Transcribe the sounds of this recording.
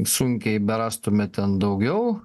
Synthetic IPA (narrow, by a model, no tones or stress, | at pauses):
suŋʲkʲɛɪbʲɛɾɑːst̪ʊmʲɛt̪ʲɛnd̪ɐʊɡʲɛʊ